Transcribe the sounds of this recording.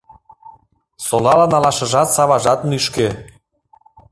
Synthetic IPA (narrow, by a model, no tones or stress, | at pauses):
solɑlɑnɑlɑʃɤ̆ʒɑt̪sɑβɑʒɑt̪nyʃke